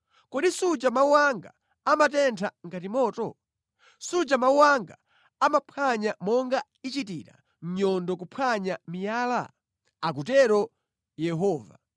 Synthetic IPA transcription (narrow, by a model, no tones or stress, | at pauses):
kɔɗisut͡ʃamauwaŋɡa̰ | amatɛntʰaŋ̩katimɔːtɔ | sud͡ʒamauwaŋɡa | amapʰaɲamɔŋɡa | it͡ʃitiɾa̰ | m̩ɲɔndɔk̬upʰaɲamijaːla̰ | ak̬utɛɾɔ | jɛɦɔːva̰